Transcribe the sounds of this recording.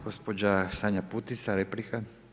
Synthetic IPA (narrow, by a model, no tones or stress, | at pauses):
ɡ̥ospod͡ʒasaɲaput̪isaɾeplika